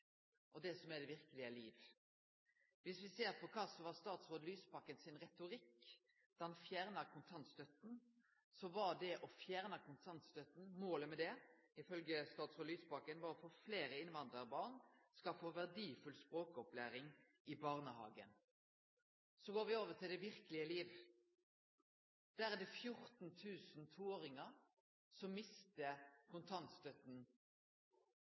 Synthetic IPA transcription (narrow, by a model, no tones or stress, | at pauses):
ʔɔd̪ɛsɔmæɖ̪ɛʋɪʁkəlɪəliːʋ | ʋɪsʋɪseːɾpʰɔkʰɑːsɔʋɑst̪ɑːt̪sʁoːd̪lyːspɑkːənsɪnʁɛt̪ʊɾɪk | d̪̥ɑɑnfjæːʁnəkʰʊnt̪ʰɑnt̪st̪œt̪n̩ | sɔʋɑɖ̪ɛʔɔfjæːʁnəkʰʊnt̪ʰɑnt̪st̪œt̪n̩moːləmɛd̪ɛɪfœlɡəst̪ɑːt̪sʁoːd̪lyːspɑkənʋɑɾɔfoːfleːɾəɪnʋɑnd̪ʁəɾbɑːʁnskɑlfoːʋæʁd̪iːfʉlspʁoːkəɔplæːɾɪŋ | ɪbɑʁnəhɑ̰ːɡə̰n | sɔɡoːɾʋɪoːʋət̪ʰɪld̪ɛʋɪʁkəlɪəliːʋ | d̪̥æːɾɛd̪ɛfjʊɾt̪n̩t̪ʰʉːsnt̪ʰuːoːɾɪŋəɾ | sɔmːɪst̪əkʰʊnt̪ʰɑnt̪st̪œt̪n̩